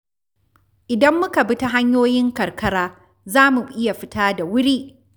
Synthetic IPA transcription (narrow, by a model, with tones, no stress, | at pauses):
ʔɪ˨dɐ˦mːʊ˦ka˨bɪ˦ta˦ɦa˦ɲjoː˦jɪ˦ŋkɐ˨rkɐ˦ɽaː˦ | zaː˦mu˨ʔɪ˦ja˨ɸɪ˦taː˦da˨wʊ˦ɽiː˦ʔ